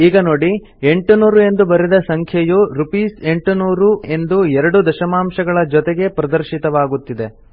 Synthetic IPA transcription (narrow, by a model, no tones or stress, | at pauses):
iːɡɐno̞ːɽi | e̞ɳʈunuːɾue̞nd̪ubɐɾid̪ɐsɐŋkʰjɐjuɾupiːse̞ɳʈunuːɾue̞nd̪uɛɾɐɽud̪ɐʃɐmaːmʃɐɡɐɭɐd͡ʒɔt̪ɛɡe̞pɾɐd̪ɐɾʃit̪ɐʋaːɡut̪ːid̪e̞